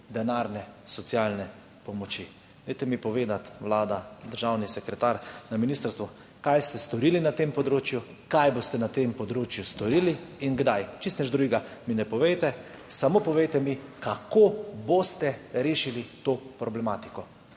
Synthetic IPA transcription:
d̪ɛnaːɾnɛsɔt̪sjaːlnɛ | pɔmɔt͡ʃi | d̪ɛjt̪ɛmipɔʋeːd̪at̪ʋlaːd̪ad̪əɾʒawnisɛkɾɛt̪aɾnaminiːst̪əɾst̪ʋɔ | kajst̪ɛst̪ɔɾilinat̪empɔd̪ɾoːt͡ʃju | kajboːst̪ɛnat̪empɔd̪ɾoːt͡ʃjust̪ɔɾiliːnɡd̪ajt͡ʃist̪nɛd͡ʒd̪ɾuɡɡaminɛpɔʋɛjt̪ɛ | samopɔʋejt̪ɛmikakoːboːst̪ɛɾeːʃilit̪opɾɔblɛmaːt̪i̥kɔ

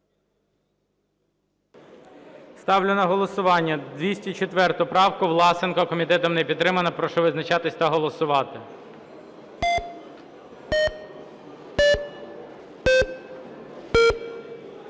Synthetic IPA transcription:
st̪ɑwlʲʊnɐɦɔlˠɔsʊʋɑnʲːɐd̪ʋʲisʲtʲit͡ʃet̪ʋɛrt̪ʊpɾɑwkʊʋlˠɑsɪnkɔkɔmʲit̪ɛt̪ɔmnɛpʲid̪̚ːɾɪmɐnɐpɾɔʃɔʋɪznɐt͡ʃɑt̪ɪsʲt̪ɐɦɔlˠɔsʊʋɑt̪ɪ

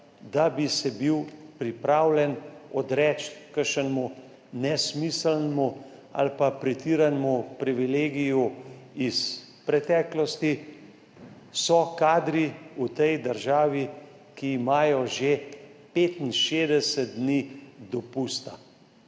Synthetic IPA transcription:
d̪abisɛbiwpɾipɾaːwlʲɛnɔd̪ɾɛːt͡ʃt̪kəɾʃənmu | nɛsmisəlnmu | a̰lpapɾɛt̪iːɾanmupɾiʋileːɡijuis | pɾɛt̪ɛːklɔst̪i | sɔkaːd̪ɾiut̪ɛjd̪əɾʒaːʋi | kiːmaːjɔʒepeːt̪inʃeːd̪ɛsɛt̪̚d̪nid̪ɔpuːst̪a

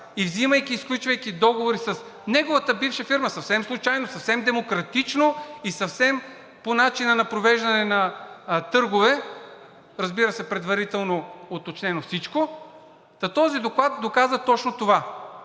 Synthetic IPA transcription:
ivziməjk̟iːsklʲut͡ʃvɐjkʲid̪ɔɡovoɾisɐs | nɛɡovɐt̪əbifʃɐfiɾməsɐfsɛmslˠut͡ʃajnosɐfsɛmd̪ɛmokɾɐt̪it͡ʃnoisɐfsɛm | ponat͡ʃinɐnɐpɾovɛʒd̪ɐnɛnɐt̪ɤɾɡovɛ | ɾɐzbiɾəsɛpɾɛd̪vɐɾit̪ɛlˠnoot̪ot͡ʃnɛnofsit͡ʃko | t̪ɐt̪ɔzid̪oklˠat̪̚d̪okazɐt̪ɔt͡ʃnot̪ova

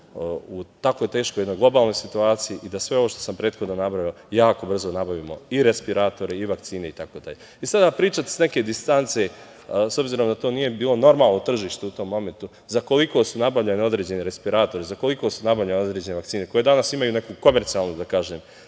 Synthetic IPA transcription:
ut̪ako̞jt̪e̞ːʃkojed̪nojɡlˠo̞baːlno̞jsit̪uaːt̪sijiʔid̪asʋe̞o̞ʋoʃt̪o̞sampɾeːt̪xo̞d̪nonabɾaʋjio | jaːko̞br̩zonabaʋiːmo̞iɾespiɾat̪o̞ɾiiʋakt̪siːne̞it̪ako̞ːd̪a̰ʎe | isad̪aːpɾiːt͡ʃat̪sne̞ke̞d̪ist̪ant̪se̞ | so̞bziːɾo̞md̪at̪oːnije̞biːlo̞no̞ɾmaːlˠnot̪r̩ʒiːʃt̪eut̪o̞mːo̞ment̪u | zako̞liko̞sunabavʎaneo̞d̪ɾed͡ʑe̞neɾe̞spiɾaːt̪o̞ɾizako̞liko̞sunabavʎaneo̞d̪ɾe̞ːd͡ʑe̞ne̞ʋakt̪siːne̞ko̞je̞d̪anasimajune̞kuko̞me̞ɾt̪siaːlˠnud̪akaːʒe̞ːm

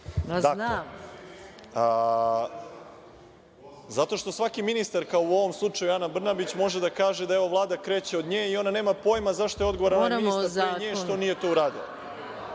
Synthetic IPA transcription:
d̪ake | zat̪o̞ʃt̪o̞sʋakiminist̪aɾkaouo̞ʋo̞mslˠut͡ʂajujanabr̩nabit͡ɕmo̞ʒed̪akaːʒe̞d̪aeʋo̞ʋlˠaːd̪akɾeːt͡ɕeod̪ɲeːio̞nane̞ːmapo̞ːjmazaʃt̪o̞eo̞d̪ɡooɾanoiisaɾɲeːʃt̪o̞nije̞t̪o̞ːuɾaːd̪ḭlˠa̰

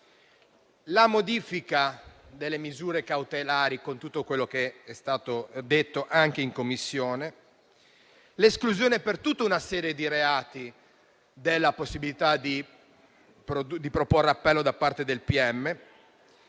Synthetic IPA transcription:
lamod̪iːfikad̪elːemizuːɾekawt̪elaːɾikont̪ut̪ːokwelːokeɛst̪aːt̪od̪et̪ːoʔaŋk̟eiŋkomːisːjoːne | leskluzjoːnepert̪ut̪ːaunasɛːɾjed̪iɾeaːt̪i | d̪elːaposːibilit̪ad̪i | pɾod̪ipɾoporːeapːɛlːod̪apːart̪ed̪elpiɛmːe

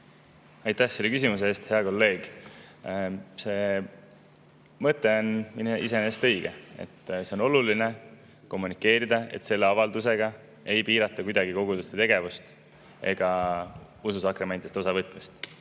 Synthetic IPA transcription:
ɑjt̪æhse̞lːe̞kys̬imus̬eeːst̪he̞ɑko̞lːe̞ːɡ̥ | se̞ː | mɤt̪ːˑe̞o̞nmineʔise̞nest̪ɤ̞jɡ̥e̞ḛt̪ːse̞o̞no̞luline̞ | ko̞mːunikːˑe̞ːɾid̪ɑe̞̰t̪se̞lːeɑvɑld̪us̬e̞ɡ̥ɑ | e̞jpiːɾɑt̪ːˑɑkujd̪ɑɡiko̞ɡ̥ud̪ust̪e̞t̪e̞ɡ̥e̞vust̪ | e̞̰ɡ̥ɑ | ususɑkɾemet̪ist̪o̞sɑvɤt̪ːˑmist̪

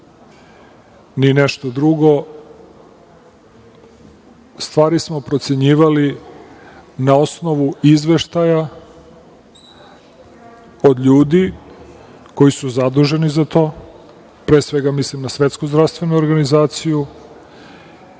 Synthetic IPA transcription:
nineʃt̪od̪ɾuɡo̞ | st̪vʋaːɾismo̞pɾo̞t̪se̞ɲiːʋali | nao̞sno̞ʋuizʋe̞ʃt̪aja | od̪ʎuːd̪i | ko̞jisuzad̪uʒe̞nizat̪o̞ː | pɾeːsʋe̞ɡamislimnasʋe̞t̪skozd̪ɾavst̪ʋe̞nuoɾɡanizaːt̪siju

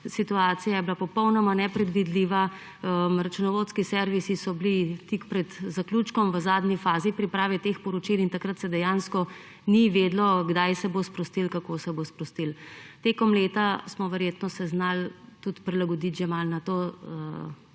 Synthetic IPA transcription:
sit̪uaːt̪sijajɛblapɔpɔwnɔmanɛpɾɛd̪ʋid̪liʋa | əmɾat͡ʃunɔʋoːt̪skisɛɾʋisisɔblit̪ikpɾɛd̪zaklut͡ʃkɔmʋəzaːd̪nifaːzipɾipɾaːʋɛt̪eːxpɔɾɔt͡ʃilint̪akɾət̪sɛd̪ɛjanskɔ | niʋeːd̪lɔɡd̪ajsɛbospɾɔst̪ilkakoːsɛbospɾɔst̪ilt̪eːkɔmleːt̪asmɔʋɛɾjeːt̪nɔsɛznalt̪ut̪pɾilaɡɔd̪it̪ʒɛmalnat̪oːə

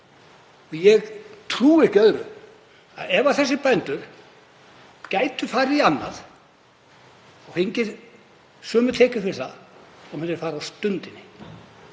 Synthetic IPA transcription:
jɛɣt̪ʰɾuːɪ̥cœðɾʏ̰ | a̰ðɛvaθɛsːɪpɛnt̪ʏɾ̥ | caːjt̪ʏfaːɾianːa̰ð | ɔɣhejɲcɪɾ̥ | sœːmʏ̥t̪ʰɛːcʏɾfɪɾ̥θaɔmɛnɪɾfaːɾast̪ʏnt̪ɪnːɪ

